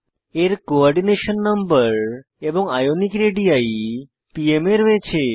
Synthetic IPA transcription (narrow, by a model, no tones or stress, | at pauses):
eɾkoɔɾɖineʃənːəmbəɾ | ebɔŋɡajonikɾeɖiai | piemeɾʋet͡ɕʰe